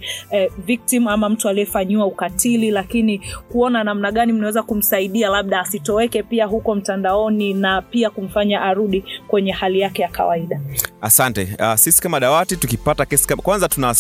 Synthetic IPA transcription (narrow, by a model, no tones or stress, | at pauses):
vik̚tim̩amam̩tualiɛfaɲiwaukatililakinikuɔnanam̩naɠanim̩nawɛzakum̩saiɗialaɓ̚ɗaːsitɔɛkɛpiaɦukɔm̩tandaɔninapiakum̩faɲaʔaɾuɗikwɛɲɛhalijakɛjaka̰waiɗaasantɛ̰asisi̥kamaɗawatitukipatakɛsi̥kamakwanzatuna